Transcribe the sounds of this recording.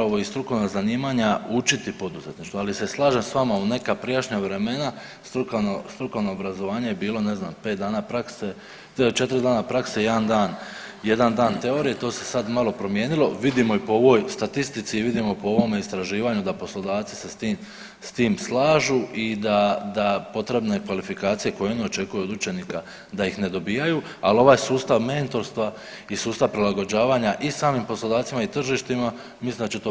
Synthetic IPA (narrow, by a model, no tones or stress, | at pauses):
paʋo̞ist̪ɾukonazaniːmaɲaut͡ʃit̪ipo̞d̪uze̞t̪niʃt̪ualise̞slˠaːʒe̞msʋamaune̞kapɾijaʃɲaʋɾe̞me̞na | st̪ɾukonost̪ɾukoʋnoobɾazo̞ʋaːɲejebiːlˠo̞ne̞zna̰ːmpeːt̪̚d̪aːnapɾakse | t͡ʃe̞t̪ɾid̪aːnapɾakseje̞d̪and̪aːnje̞d̪and̪aːnt̪e̞o̞ɾijet̪o̞ːsesad̪malo̞pɾo̞mje̞ːnilˠo̞ʋid̪imo̞ipooʋo̞jst̪at̪ist̪it̪siʋid̪imo̞poo̞ʋo̞me̞ist̪ɾaʒiːʋaɲud̪apo̞slˠo̞d̪aːt̪i̥sest̪iːm | st̪iːmslaːʒuːʔid̪ad̪apo̞t̪ɾe̞bne̞kʋalifikaːt̪sije̞ko̞jeneo̞t͡ʃe̞kujuod̪ut͡ʃe̞nika | d̪ajixne̞d̪o̞biːjaju | a̰lo̞ʋaːjsuːst̪aʋme̞nt̪o̞ɾst̪ʋa | isuːst̪aʋpɾilaɡo̞d͡ʑaːʋaːɲaʔisaːmimpo̞slˠo̞d̪aːʋt̪imait̪r̩ʒiːʃt̪ima | mislimd̪at͡ʃet̪o